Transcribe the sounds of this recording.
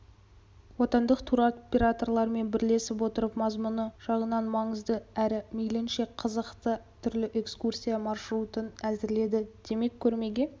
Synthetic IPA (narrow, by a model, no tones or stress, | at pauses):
wo̞t̪ɑnd̪əqt̪ʰuɾopʲeɾat̪o̞rlˠɑɾme̞nbɪɾle̞sɪp̬wo̞t̪əɾəpmɑzmʊnəʒ̥ɑʁənɑnmɑɴəzd̪əæɾɪmejlenʃe̞qʰəzəqt̪ət̪ʰʏɾlɪʔe̞kskursʲijamɑɾʃɾut̪ənæzɪɾle̞d̪ɪd̪̥e̞me̞kʲʰːɵɾme̞ɡʲe̞